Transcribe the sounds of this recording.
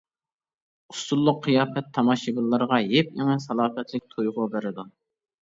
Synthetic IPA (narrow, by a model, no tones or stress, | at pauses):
ust̪ulˠːʊqʰːijɑːpɛt̪ʰːɑmɑʃibɨlˠːɑɾʁɑjep̚jɪŋɛsɑlˠɑːfɛt̪lɪk̚ʲt̪ʰojʁʊbɪɾɪd̪u